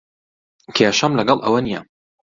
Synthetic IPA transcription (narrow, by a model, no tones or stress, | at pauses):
kʰeʃɐmlɐɡɐlˠʔɐ̰wɐnija